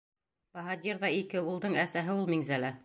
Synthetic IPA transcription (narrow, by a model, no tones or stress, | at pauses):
bɑɦɑd̪ʲiɾðɑikɘulˠd̪ɤɴæsæɦɘulˠmiŋzælæ